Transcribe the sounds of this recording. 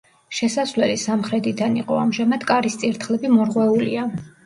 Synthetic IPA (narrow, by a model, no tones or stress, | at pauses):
ʃɛsasvlɛlisamχɾɛt̪ʼid̪aniqʼɔamʒamad̪kʼaɾist̪sʼiɾt̪ʰχlɛbimɔɾʁwɛulḭa